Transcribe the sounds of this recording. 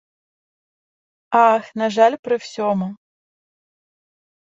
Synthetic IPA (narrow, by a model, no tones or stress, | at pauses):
axnaʐalʲpɾɨw̥sʲɔmu